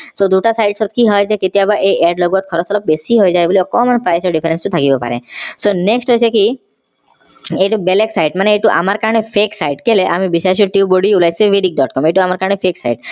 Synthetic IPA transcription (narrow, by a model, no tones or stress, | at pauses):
sod̪uʈasajʈsɔt̪̚kiɦɔjd͡ʒeket̪iabaɾʔeeɖlɔɡuat̪̚kʰɔɾɔt̪ʰɔlɔp̚besiɦojd͡ʒaeboliɔkɔmɔnpɾajsɔɾɖipʰeɾensʈut̪ʰakibɔpa̰ɾḛsoneksʈɦojt͡ɕʰeki | eʈubeleksajʈmaneeʈuʔa̰maɾkaɾɔɽ̃epʰeksajʈkeleʔamibisaɾsʰiuʈiuboɽiulajt͡ɕʰʋeɖik̚ɖɔʈ̚kɔmeʈuamaɾkaɾəɳepʰeksa̰jʈ